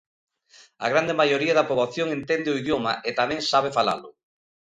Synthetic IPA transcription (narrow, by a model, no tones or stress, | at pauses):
a̰ɣ̞ɾand̪emajoɾiaðɐpoβaθjoŋent̪ɛnd̪ɪʊiðjoma̰ʔet̪amɛ̃ŋsaβefala̰lʊ